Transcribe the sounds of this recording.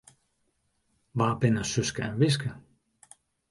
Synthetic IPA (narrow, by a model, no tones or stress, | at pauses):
ʋaːbɪnəsøskəɛnʋɪs̬kə